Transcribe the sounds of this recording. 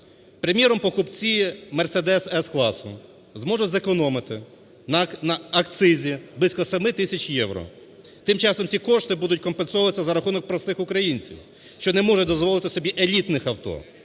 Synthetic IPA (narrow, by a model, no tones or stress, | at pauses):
pɾemʲjɛɾɔmpɔkʊpt͡sʲiimersed̪ɛsɛsklˠɑsʊ̰ | zmɔʒʊzekɔnɔmɪt̪ɪ | nɐnɐɐkt̪sɪzʲiblˠisʲkɔsɐmɪt̪ɪsʲɐt͡ʃʲjɛwɾɔ̰ | t̪ɪmt͡ʃɑsɔmsʲikɔʃt̪ɪbud̪ʊtʲkɔmpensɔʊʋɐsʲɐzɐɾɐxunɔk̚pɾɐst̪ɪxʊkɾɐjinʲt͡sʲḭw | ʃt͡ʃɔnɛmɔʒɛd̪ɔzʋɔlˠɪt̪ɪsɔbʲiʔelʲit̪nɪxɐwt̪ɔ̰